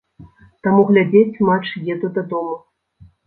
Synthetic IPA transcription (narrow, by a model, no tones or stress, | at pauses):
t̪amuɣlʲad͡zʲet͡sʲmat͡ʂjɛd̪ud̪ad̪ɔmu